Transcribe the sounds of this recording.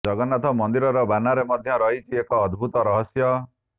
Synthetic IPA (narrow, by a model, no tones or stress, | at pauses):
ɔɡɔnat̪ʰɔmɔnd̪iɾɔɾɔbanaɾemɔd̪ʱjɔɾɔɦit͡ʃʰiekɔːd̪ʱbʱut̪ɔɾɔɦɔsjɔ